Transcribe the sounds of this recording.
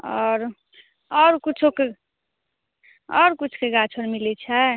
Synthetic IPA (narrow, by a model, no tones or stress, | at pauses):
ʌɾu | ʌɾukut͡sʰoke | ʌɾukut͡sʰkeɡat͡sʰoɾmilet͡sʰʌ